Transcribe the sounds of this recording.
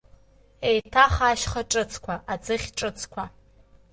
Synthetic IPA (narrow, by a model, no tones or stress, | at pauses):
ejtʰaχaːʃχaʈ͡ʂʼɨt͡sʰkʷʰaʔad͡zɨχʲʈ͡ʂʼɨt͡sʰkʷʰa